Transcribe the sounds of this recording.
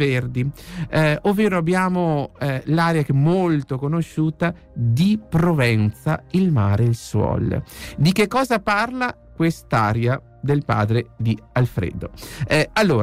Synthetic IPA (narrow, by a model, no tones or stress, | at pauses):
erd̪i | ovːeːɾoabːjaːmolaɾjakemːolt̪okonoʃuːt̪a | d̪ipɾovɛnt̪sa̰ilmaːɾeilswɔ̰ːld̪ikekːɔːzaparla | kwest̪aːɾja | d̪elpa̰ːd̪ɾed̪ialfɾḛd̪oalːoːɾ